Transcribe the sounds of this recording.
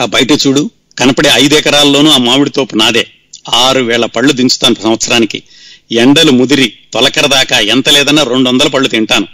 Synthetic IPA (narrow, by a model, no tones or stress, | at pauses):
abɐjʈɐt͡ʃuːɽu | kɐnɐpɐɽeɐjd̪ɛːkɐɾaːlːo̞ːnuːaːmaːʋiɽit̪o̞ːpunaːd̪ḛː | aːɾuʋɛːɭɐpɐɭːud̪iɲt͡ʃu̥t̪aːnɐpɐsɐmʋɐt̪sɐɾaːnikḭ | eɳɖɐlumud̪iɾit̪ɔlɐkɐɾɐd̪aːkaːɛnt̪ɐlɛːd̪ɐnːaːɾe̞ɳɖuʋɐnd̪ɐlɐp̬ɐɭːut̪iɳʈaːnu